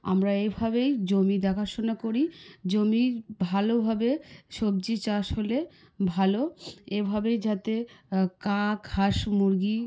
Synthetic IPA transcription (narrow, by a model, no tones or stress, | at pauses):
a̰mɾaejbʱabejd͡ʑomid̪ɛkʰaʃonakoɾid͡ʑomibʱalobʱabeʃob̚d͡ʑit͡ɕaʃɦole | bʱaloebʱabejd͡ʑat̪ekãkhaʃmuɾɡi